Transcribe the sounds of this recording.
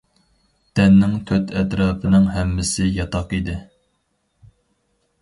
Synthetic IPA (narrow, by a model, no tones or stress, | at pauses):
d̪̥ɛnːɪŋt̪ʰøt̪ʰɛt̪ɾɑːpʰɪnɪŋɦɛmːɪsɪjɑt̪ʰɑqid̪ɪ